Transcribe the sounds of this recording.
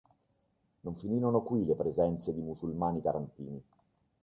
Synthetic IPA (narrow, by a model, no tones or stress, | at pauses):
noɱfiniːɾonokwilepɾezɛnt̪sed̪imusulmaːnit̪aɾant̪ḭːni